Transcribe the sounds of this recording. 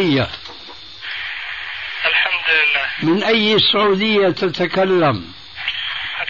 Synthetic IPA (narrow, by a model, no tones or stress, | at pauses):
jːa | ʔɪlħamd̪ɪlːaːmɪnʔajːsːʊʕuːd̪ɪjːat̪at̪akalːam